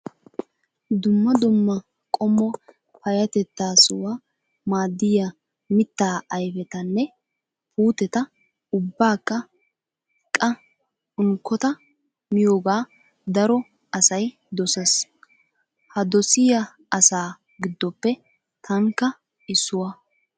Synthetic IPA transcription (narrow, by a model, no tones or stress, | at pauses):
d̪ʊmːɐd̪ʊmːɐ | kʼɔmːɔ | pɐjɐt̪ɛt̪ːaːsʊwa | maːd̪ːɪjɐ | mɪt̪ːaːɐjfɛt̪ɐnːɛ | puːt̪ɛt̪ɐ | ʊbːaːkːɐ | kʼɐ | ʊŋkʰːɔt̪ɐ | mɪjoːɡaː | d̪ɐɾɔ | ɐsɐj | d̪ɔsɐs | hɐd̪ɔsɪjɐ | ɐsaː | ɡɪd̪ːɔpːɛ | t̪ʰɐŋkːɐ | ɪsːʊwɐ